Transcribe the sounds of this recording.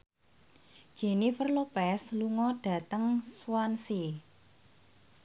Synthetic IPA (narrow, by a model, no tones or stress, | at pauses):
d̥ʒ̥e̤nifərlopɛsluŋɔɖ̥ä̤t̪əŋswansi